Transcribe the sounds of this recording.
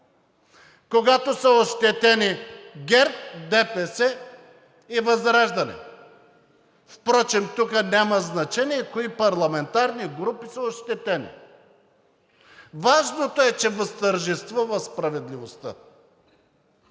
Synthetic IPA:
koɡat̪osəoʃt̪ɛt̪ɛniɡʲɛɾt̪̚d̪ɛpɛsɛ | ivɐzɾaʒd̪ɐnɛ̰ | fpɾɔt͡ʃɛmt̪ukənʲaməznɐt͡ʃɛniɛkoipɐɾlˠɐmɛnt̪aɾniɡɾupisəoʃt̪ɛt̪ɛnḭ | vaʒnot̪oɛt͡ʃɛvəst̪əɾʒɛst̪vuvɐspɾɐvɛd̪livost̪ə̰

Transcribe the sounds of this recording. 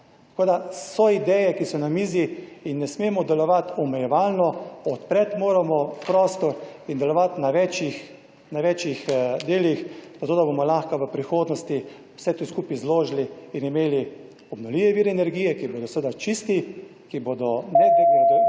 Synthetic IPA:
t̪akoːd̪asɔid̪ɛjɛkisɔnamiːziinːɛsmemɔd̪ɛlɔʋat̪ɔmɛjɛʋaːlnɔɔt̪pɾɛt̪moːɾamɔpɾɔːst̪ɔɾind̪ɛlɔʋat̪naʋɛt͡ʃix | naʋɛt͡ʃixd̪eːlixzat̪oːd̪abomɔlaxkaʋəpɾixoːd̪nɔst̪i | w̥sɛt̪uskupizloːʒliinimeːli | ɔbnɔliʋɛʋiːɾɛːnɛɾɡiːjɛkiboːd̪ɔsʋed̪at͡ʃist̪ikibod̪ɔnɛpɾikɛed̪

